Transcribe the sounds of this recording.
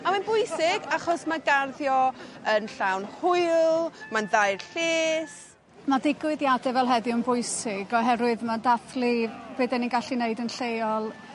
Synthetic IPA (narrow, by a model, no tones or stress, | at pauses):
amanbʊjsɪɡaχɔsmaɡarðjɔənɬawnhʊɨlˠmanðajrɬɪːs | madɪɡwɪðjadɛvɛlˠɦɛðɪənbʊjsɪɡɔɦɛɾwɨðmadaθlib̥eːdɛninɡaɬineɨdənɬejɔlˠ